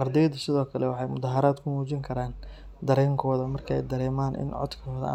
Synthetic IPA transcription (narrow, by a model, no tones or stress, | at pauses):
qɑrd̪ɛjd̪ɐsɪðɔːkʰɐlɛwɑħɑjmʊðɐɦɐɾaːd̪kʰʊmuːt͡ʃɪŋkʰɐɾaːn | d̪ɐɾɛːŋkʰɔːðɐmɐrkʰɐɛ̰jd̪ɐɾɛːmaːnʔɪ̰nʕɔ̰d̪kʰɔːðɐ̰